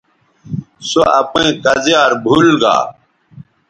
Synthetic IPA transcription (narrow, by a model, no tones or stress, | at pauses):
soɐpẽːkɐzjaːɾbʱulɡa̰ː